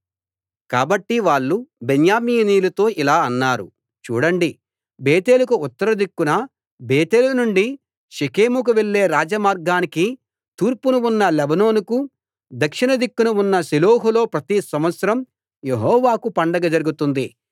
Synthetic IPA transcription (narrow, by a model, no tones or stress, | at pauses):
kaːbɐʈːiʋaːɭːubenjaːmiːniːlɐt̪o̞ːʔilaːɐnːaːɾṵ | t͡ʃṵːɽɐɳɖi | beːt̪e̞ːlukuut̪ːɐɾɐd̪ikːunɐ | beːt̪eːlunuɳɖi | ʃikeːmuk̬uʋeɭːe̞ːɾaːd͡ʒɐmaːɾɡaːniki | t̪uːɾpunuunːɐlɛbɐno̞ːnuku | d̪ɐkʂinɐd̪ikːunɐunːɐsilo̞ːɦulo̞ːpɾɐt̪isɐmʋɐt̪sɐɾɐm | jeɦɔːʋaːkupɐɳɖɐɡɐd͡ʒɐɾuɡut̪und̪i